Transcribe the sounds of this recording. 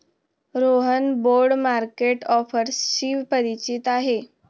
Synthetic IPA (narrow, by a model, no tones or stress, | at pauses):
ɾoɦənboɾɖmaɾkeʈɔfəɾsɕiːʋpəɾit͡ɕit̪aɦe